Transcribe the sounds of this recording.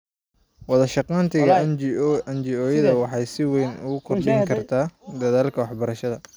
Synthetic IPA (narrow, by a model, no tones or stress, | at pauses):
wɑðɐʃɑqɑːnt̪ʰɪɣɐ | ɐnt͡ʃɪɔːjɐðɐwɑħɑjsɪwɛjnʊ̰ɣʊkʰɔrd̪ʰɛjjŋkʰɐrt̪ʰaːd̪ɐðaːlkʰɐwɑħbɐɾɐʃɐðɐ